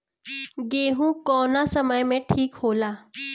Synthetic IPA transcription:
ɡeɦũːkɔnasəməjmẽʈʰiːkɦola

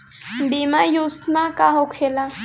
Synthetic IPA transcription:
bimajust̪mãkaɦokʰela

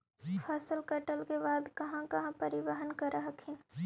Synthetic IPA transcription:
pʰɐsəlkɐʈəlkebaːd̪kɐɦãkɐɦãpɐɾɪʋəɦənkɐɾaɦəkʰɪn

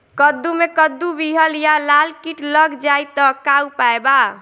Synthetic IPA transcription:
kəd̪ːumekəd̪ːubiɦəljalalkiʈləɡd͡ʒajt̪ɔkawpaeba

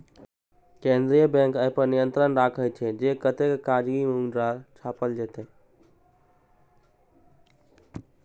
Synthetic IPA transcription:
kẽnd̪ɾijəbẽŋkəɦpəɾnijənt̪ɾənɾakʰət͡ʃʰɛd͡ʒekət̪ekkaɾɡimuŋɖɾat͡ʃʰapəld͡ʒet̪e

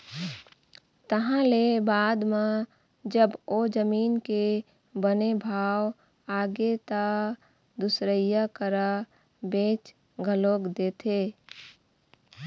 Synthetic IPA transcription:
t̪əɦãlebaːd̪me | d͡ʒəbod͡ʒəmiːnke | bənebʱaːw | aːɡet̪a | d̪ʊsɾəjakəɾa | bẽːt͡ʃ | ɡʱəloːɡd̪eːt̪ʰeː

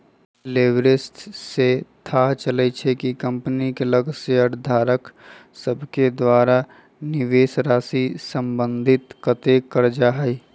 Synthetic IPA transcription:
leːʋɾɪsʈset̪ʰat͡ʃəlɛt͡ʃʰɛkikə̃mpnikeləɡseəɾd̪ʱaːɾəksəbʱked̪waːɾa | nɪʋeːsɾaːsisə̃mbə̃nd̪ʱɪt̪kət̪ekəɾd͡ʒaɦɛi

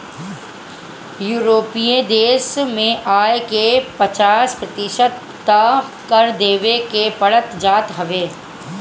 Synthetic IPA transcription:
juːɾoːpiẽd̪eːsmẽʔaːjkepət͡ʃaːspɾɐt̪ɪʃət̪ː | akəɾd̪eːʋekepəɽət̪d͡ʒaːt̪ɦɐʋeː

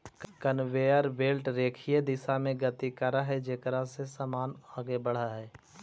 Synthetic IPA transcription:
kkənʋeːjəɾʋeːlʈɾeːkʰijed̪ɪsamẽɡət̪ikəɾaɦɛd͡ʒeːkəɾasesaːmaːnaːɡebɐɽ̤aɦɛː

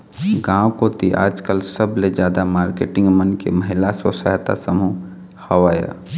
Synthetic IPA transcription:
ɡãːwkot̪iʔa̰ːd͡ʒkəlsəbled͡ʒjaːd̪amaːɾkeːʈɪ̃ŋɡmənkḛməɦɪlasəsəɦt̪a̰səmu | hɐʋaːja̰ː

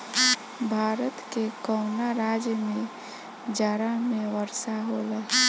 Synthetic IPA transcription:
bʱaːɾət̪kekɔʊnaɾaːd͡ʒjəmẽ | d͡ʒaɾamẽʋəɾsaɦolaɦ

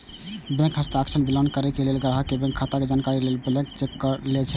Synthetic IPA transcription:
bɛ̃kɦəst̪aːksʰənbiland̪̚kəɾɛkelelɡɾaɦakebɛ̃ŋkʰːat̪aked͡ʒankaɾilelblɛ̃kt͡ʃekːəlet͡ʃʰɛ

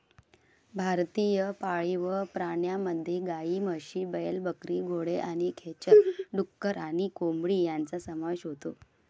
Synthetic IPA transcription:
bʱaɾt̪ijəpaɭiʋəpɾaɳjaməd̪ʱːjeɡaiməɕiːbəjəlbəkɾiɡʱoɽeʔaɽ̃ikʰet͡ɕəɾɖukːəɾaɽ̃ikombɽiːjant͡sasəmaɕɦot̪o̰

